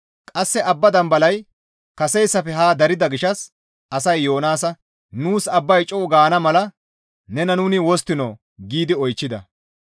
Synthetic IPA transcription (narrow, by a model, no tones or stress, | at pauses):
kʼɐsːɛʔɐbːɐd̪ɐmbɐlɐj | kɐsɛjsːɐfɛɦaːd̪ɐɾɪd̪ɐɡɪʃɐs | ɐsɐjːo̞ːnaːsɐ | nuːsɐbːɐjt͡ʃʼɔːɡaːnɐmɐlɐ | nɛnɐnuːnɪwɔst̪ːɪnɔ | ɡiːd̪ɪɔjt͡ʃːɪd̪ɐ̰